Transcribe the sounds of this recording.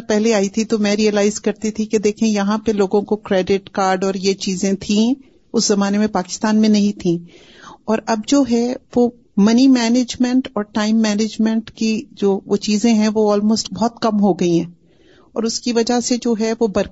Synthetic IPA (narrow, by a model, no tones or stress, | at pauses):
pɛɦleaːit̪ʰit̪omɛ̃ɾiəlaːɪzkɐɾt̪it̪ʰiked̪eːkʰẽjɐɦãpeloːɡõkokɾɛːɖɪʈkaːɾɖɔːɾjet͡ʃiːzẽt̪ʰĩ | ʊszɐmaːnemẽpaːkɪ̥st̪aːnmẽnɐɦĩt̪ʰĩː | ɔːɾɐb̚d͡ʒoːɦɛʋo | mɐnimɛːneːd͡ʒmɛ̃ɳʈɔːɾʈaːɪmːɛːneːd͡ʒmɛ̃ɳʈkid͡ʒoːʋot͡ʃiːzẽɦɛ̃ʋoɔːlmoːsʈbɔɦt̪kɐmɦoɡɐiɦɛ̃ː | ɔ̰ːɾʊskiʋɐd͡ʒased͡ʒoːɦɛʋobɐɾ